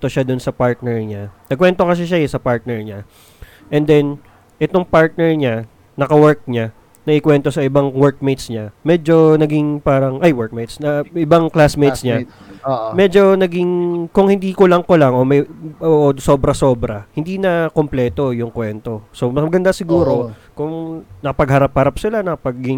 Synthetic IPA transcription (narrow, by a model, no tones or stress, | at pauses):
t̪oʃad̪ʊnsɐpaɹt̪̚nɛɹɲanɐɡ̚kwɛnt̪o̞kɐs̬ɛʃajɛsɐpaɹt̪̚nɛɹɲa | ʔɛnd̪ɛn | ʔɛt̪o̞ŋpaɹt̪̚nɛɹɲa | nɐkɐwɛɹk̚ɲa | nɐʔɪkwɛnt̪o̞sɐɪbaŋwɛɹk̚mejt̪sɲamɛːd͡ʒo̞nɐɡɪŋpaːɾɐŋʔajwɛɹk̚mejt̪snɐɪbaŋklasmejt̪sɲa | mɛd͡ʒo̞nɐɡɪŋkʊŋhɪ̃nd̪iːkʊlɐŋkolaŋʔo̞mɛʔoʔosobɾɐso̞ːbɾɐhɪnd̪iːnɐkomplɛːt̪o̞jʊŋkwɛnt̪o̞so̞mɐɐɡɐnd̪asɪɡuːɾo̞kʊŋnɐkɐpɐɡhɐɾaphɐɾap̚sɪlanɐkɐpɐɡɪŋ